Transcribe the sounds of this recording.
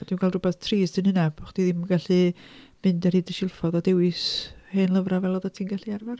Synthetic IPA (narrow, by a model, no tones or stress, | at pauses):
ɔd̥iːwnkʰalˠdrʊbɛθtʰriːsd̥ənhɪnab̥χd̥iðiməɡaɬi | m̥ɪndɛrhidəʃɪlˠfɔðadɛwɪsheːnlˠəvravɛlˠɔðatʰiːnɡaɬiarvar